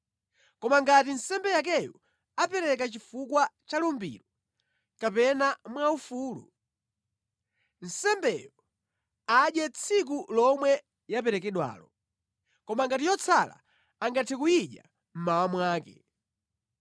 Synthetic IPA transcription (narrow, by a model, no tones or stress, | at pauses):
kɔmaŋɡatin̩sɛmbɛjak̬ɛju | apɛɾɛk̬at͡ʃifukwat͡ʃalumbḭɾɔ | kapɛnamwaufuːlṵ | n̩sɛmbɛjɔ | aɗjɛt͡sʰik̬ulɔmwɛ | japɛɾɛkɛɗwa̰ːlɔ | kɔmaŋɡatijɔt͡sʰala̰ | aŋɡatʰɛkuiɗja̰ | m̩mawamwaːkɛ̰